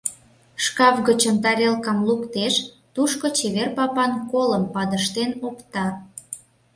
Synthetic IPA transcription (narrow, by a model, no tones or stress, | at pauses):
ʃkɑvɣət͡ɕəmt̪ɑɾʲelkɑmlukt̪eʃ | t̪uʃkot͡ɕeβerpɑpɑnkoləmpɑd̪əʃt̪enokt̪ɑ